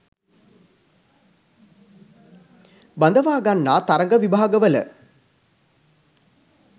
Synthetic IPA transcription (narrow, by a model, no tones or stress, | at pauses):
band̪əʋaːɡanːaːt̪aɾɐŋɡəʋibʱaːɡəʋələ̰